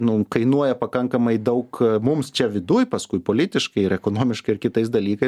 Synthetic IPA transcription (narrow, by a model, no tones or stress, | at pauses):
nʊkɐɪnuɔjɛpɐkɐŋkɐmɐɪd̪ɐʊkmʊmst͡ʃʲɛʋʲɪd̪uːjpɐskʊɪpoːlʲɪt̪ʲɪʃkɐɪɪɾɛkoːnoːmʲɪʃkɐɪɪrkʲɪt̪ɐɪs̬d̪ɐlʲiːkɐɪs